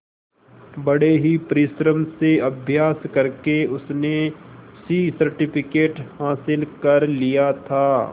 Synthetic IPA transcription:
bɐɽeɦipɐɾɪʃɾəmseɐbʱjaːskɐɾkeʊsnesisɐɾʈɪpʰɪkeːʈhaːsɪlkɐɾlijat̪ʰaː

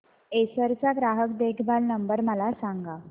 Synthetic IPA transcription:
esəɾt͡saɡɾaɦək̚d̪ekʰbʱalnəmbəɾməlasaŋɡa

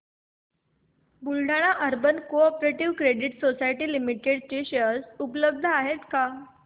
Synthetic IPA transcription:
bulɖaɽ̃aʔəɾbənkoɔpɾeʈiʋkɾeɽiʈsosajʈiːlimiʈeɽt͡ɕeɕəsupləb̚d̪ʱəaɦet̪ka

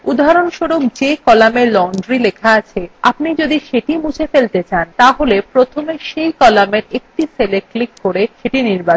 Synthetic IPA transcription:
ud̪ʱaɾonʃoɾok̚d͡ʑekɔlamelɔɳɖɾilekʰaat͡ɕʰea̰pnid͡ʑod̪iʃeʈimud͡ʑʰʱefelt̪et͡ɕant̪aɦolepɾot̪ʰomeʃejkɔlameɾek̚ʈiseleklikːoɾeʃeʈiniɾba

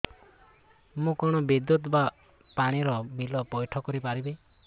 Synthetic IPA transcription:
mũkɔɽ̃ɔbid̪jut̪ba | paɽ̃iɾɔmilɔpɔjʈʰɔkɔɾipaɾibe

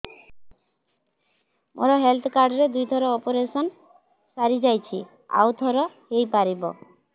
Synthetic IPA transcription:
mʔo̰ɾɔɦelt̪ʰɔkaɾɖɔɾed̪ujt̪ʰɔɾɔɔpoɾesɔn | saɾid͡ʒajt͡ʃʰi | a̰wt̪ʰɔɾɔhejpaɾibɔ̰

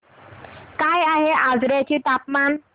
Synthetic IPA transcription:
kajaɦeʔazɾetʰit̪apman

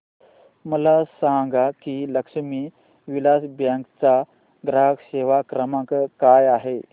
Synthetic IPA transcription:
məlasaŋɡakiːləkʂmiː | ʋilasbjəkt͡sa | ɡɾakseʋakɾəmãkkajaɦe

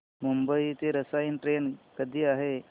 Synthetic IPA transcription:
mumbəit̪eɾəsainʈɾenkəd̪ʱiːaɦe

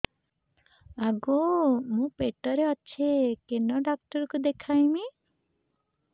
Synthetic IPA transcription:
aɡomũpeʈɔɾeɔːt͡ʃʰekenɔɖak̚ʈɔɾkud̪ekʰajmi

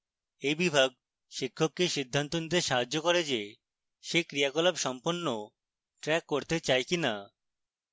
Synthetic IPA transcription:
ejbibʱaɡ̚ | ʃikʰːokːeʃid̪ʱːant̪onid̪eɾʃaɦad͡ʑːokoɾed͡ʑe | ʃekɾiaɡɔlabʃɔmponːo | ʈɾɛkːoɾt̪et͡ɕaekina

